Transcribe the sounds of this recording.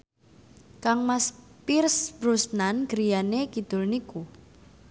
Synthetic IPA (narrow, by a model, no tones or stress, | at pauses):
kaŋmaspirsb̥ɾusnanɡ̥ɾijanekid̪̥ʊ̤lniku